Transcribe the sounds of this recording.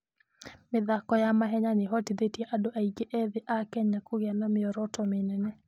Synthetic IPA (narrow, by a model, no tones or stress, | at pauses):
mɪðakɔjamaɦɛɲanɪɦɔtɪðetjeʔadoʔaiɡeʔɛðɪʔakɛɲakoɣanɔmɪɔɾɔtɔmenɛnɛ